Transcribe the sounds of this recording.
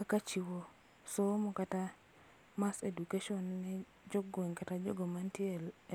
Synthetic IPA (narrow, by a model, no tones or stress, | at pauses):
kakat͡ʃiwo | somɔkata | masedukeʃɔnːɛ | d͡ʒɔɡweŋkatad͡ʒɔ̰ɡomantiɛl